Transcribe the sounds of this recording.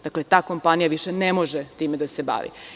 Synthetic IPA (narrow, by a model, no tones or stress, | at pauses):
d̪akle̞t̪aːko̞mpanijaʋiʃenemo̞ʒet̪iːmed̪ase̞ba̰ːʋḭ